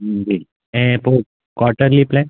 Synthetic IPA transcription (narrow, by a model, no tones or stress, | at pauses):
d͡ʒi | ẽpo | kaːʈəɾliplẽː